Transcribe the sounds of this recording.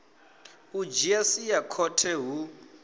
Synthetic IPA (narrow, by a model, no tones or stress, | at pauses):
ud͡ʒiɛsijakʰɔtʰɛɦu